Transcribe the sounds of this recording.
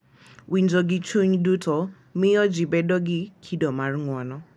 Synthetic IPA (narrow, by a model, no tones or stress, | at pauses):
wind͡ʒɔɡɪt͡ʃuɲdutʰɔ | mɪɔd͡ʒibɛdɔɡɪkʰidɔmarŋwɔnɔ